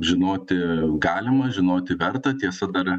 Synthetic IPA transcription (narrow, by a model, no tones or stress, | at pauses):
ʒʲɪnoːt̪ʲɪɡɑːlʲɪmɐʒʲɪnoːt̪ʲɪʋʲɛrt̪ɐt̪ʲiɛsɐd̪ɐr